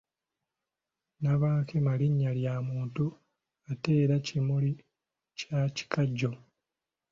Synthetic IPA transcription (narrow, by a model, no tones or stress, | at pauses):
naβaːkʰemaliɲːaljaːmuːntu | ate̞ːɾacimuli | caci̥kaɟːo̞